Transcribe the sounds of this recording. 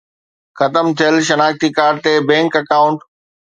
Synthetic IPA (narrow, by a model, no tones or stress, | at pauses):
xɐt̪əmt̪ʰijəlʃɐnaːkt̪ikaːɾt̪ebɛ̃ːŋkɐkaːʊ̃ɳʈ